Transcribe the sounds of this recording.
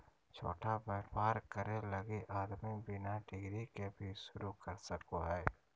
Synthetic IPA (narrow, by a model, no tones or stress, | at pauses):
t͡ʃʰo̰ːʈʰabɛːɾpaːɾkəɾelɐɡeʔaːd̪mibɪnaɖɪɡɾikebʱiʃʊɾukəɾsəkoɦɛː